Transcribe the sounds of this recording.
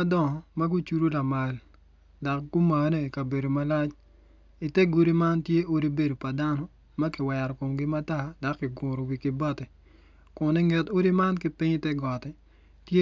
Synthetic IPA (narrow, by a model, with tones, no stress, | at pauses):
dɔ˦˨ŋɔ˨ma˦ɡu˦t͡ʃu˦ɾo˦la˨ma˨l | da˨kɡ̥u˦ma˨ne˦˨ka˨be˨do˨ma˦la˦t͡ʃ | i˨tɛ˦ɡo˦ɾi˦ma˦ntje˦ʔo˦ɾi˦be˨do˨pa˨da˦nɔ˦ | ma˦kɪ˨wɛ˨ɾɔ˨ko˨mɡɪ˦ma˦ta˦˨da˨kːɪ˨ɡʊ˨ɾo˨wi˨kɪ˦bɔ˦tɛ˨ | kʊ˨nɪ˦ŋɛ˨to˦ɾi˦ma˦nkɪ˦pɪ˦ɲ˦tɛ˦ɡɔ˨tɛ˦ | tje˦